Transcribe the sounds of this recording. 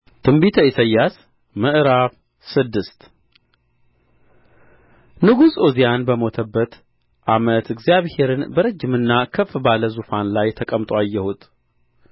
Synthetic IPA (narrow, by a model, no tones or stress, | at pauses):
t̪ʰɨmbit̪ʰəisʰəjːas | məʔɾaf | sɨd̪ːɨst̪ | nɨɡusʼozijanbəmo̞t̪ʰəbːət̪ | ʔamət̪ɨɡzijaβhe̞ɾɨnbəɾəd͡ʒːɪmɨnːakʰəfbaləzufanlajt̪ʰəkʼəmt̪ʼwajːɛhut̪ʼ